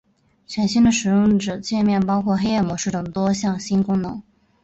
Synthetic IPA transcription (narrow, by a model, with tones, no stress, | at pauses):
t͡ɕʰɥɛ˧˥nɕi˥nd̪ə˨ʂɻ̩˨˩jʊ˥˩ŋʈ͡ʂɤ˨˩t͡ɕjɛ˥˧nmjɛ˥˩npɑ˥ʊkʰwɔ˥˩xe˥ɪjɛ˥˩mwɔ˧˥ʂɻ̩˥˩t̪ɤ˨˩ŋt̪wɔ˥ɕjɑ˥˩ŋɕi˥nkʊ˥ŋnɤ˧˥ŋ